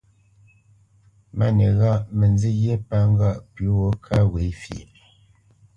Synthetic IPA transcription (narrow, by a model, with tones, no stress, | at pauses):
ma˦˨ne˨ɣa˦˨ʔmə˨nzi˦ɣje˦pa˦ŋ˦ɡa˦˨ʔpu˨˦wo˨˦kʰa˦we˨˦fḭ˨ʔ